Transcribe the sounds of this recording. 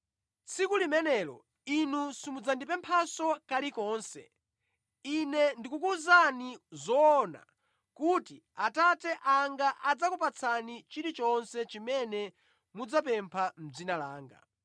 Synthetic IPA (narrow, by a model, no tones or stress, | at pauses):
t͡sʰikulimɛnɛːlɔ̰ | inusimud͡zandipɛmpʰasɔkalikɔːnsɛ̰ | inɛndikukuzanizɔːna̰ | kuti | atatɛʔaŋɡaʔad͡zakupat͡sʰanit͡ʃiɾit͡ʃɔnsɛt͡ʃimɛnɛ | mud͡zap̬ɛmpʰam̩d͡zinala̰ːŋɡa̰